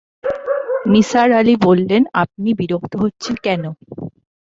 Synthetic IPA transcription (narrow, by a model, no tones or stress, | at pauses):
nisaɾalibolːenap̚nibiɾokt̪oɦotːɕʰekɛno